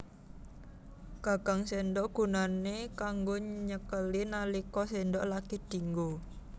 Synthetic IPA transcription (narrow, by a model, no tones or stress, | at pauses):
ɡ̥a̤ɡ̥aŋsɛndɔʔɡ̥ṳnanekaŋɡoɲəkəlinalikɔsɛndɔʔlaked̪̥iŋɡo